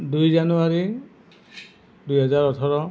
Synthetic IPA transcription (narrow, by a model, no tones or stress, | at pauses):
dujzanuaɹi | dujɦɔzaɹɔtʰɔɹɔ